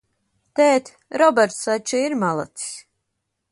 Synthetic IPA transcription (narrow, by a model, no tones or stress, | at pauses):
t̪ɛːt̪ʲ | ɾɔbɛɾt̪sat͡ʃiiɾmalˠa̰t̪i̥s